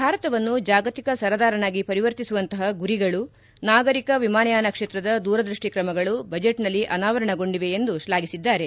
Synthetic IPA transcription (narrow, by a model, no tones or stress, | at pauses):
bʱaːɾɐt̪ɐʋɐnːud͡ʒaːɡɐt̪ikɐsɐɾɐd̪aːɾɐnaːɡipɐɾiʋɐɾt̪isuʋɐnt̪ɐɦɐɡuɾiɡɐɭu | naːɡɐɾikɐʋimaːnɐjaːnɐkʂeːt̪ɾɐd̪ɐd̪uːɾɐd̪ɾiʂʈikɾɐmɐɡɐɭubɐd͡ʒeʈnɐlːiʔɐnaːʋɐɾɐɳɐɡo̞ɳɖiʋe̞end̪uʃlaːɡisid̪ːaːɾe̞